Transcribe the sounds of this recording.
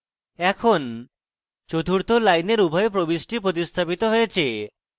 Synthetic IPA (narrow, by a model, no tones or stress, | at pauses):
ɛkʰon | t͡ɕot̪ʰuɾt̪olajneɾubʱɔep̬ɾobisʈipɾot̪̬ist̪ʰapit̪oɦojet͡ɕʰe